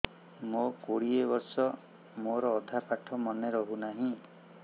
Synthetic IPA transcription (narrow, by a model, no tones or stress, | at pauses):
mokoɽiebɔɾsɔ | moɾɔːd̪ʱapaʈʰɔmɔneɾɔɦunaɦĩ